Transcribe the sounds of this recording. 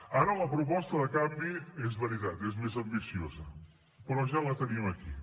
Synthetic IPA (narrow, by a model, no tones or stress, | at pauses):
aɾələpɾupɔst̪əðəkambiezβəɾit̪at̪ezmezɐmbisiozɐ | pəɾɔʒalət̪əniəmɐkḭ